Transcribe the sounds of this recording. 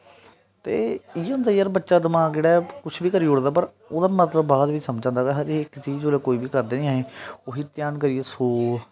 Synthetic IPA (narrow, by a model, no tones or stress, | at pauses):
t̪eːijʊ̃nd̪aːijəɾbətːʃaːd̪əmãːkd͡ʒeːɽaːkʊt͡ʃʰbiːkəɾiːʊɽd̪aːpəɾ | oːd̪aːmət̪ləbːaːd̪ʋiːsəmd͡ʒãːnd̪aːkaɦəɾeɪkt͡ʃiːd͡ʒoːleːkoːiːbiːkəɾd̪eːnĩːaːeːoɦiːt̪jaːnkəɾiːeːsoː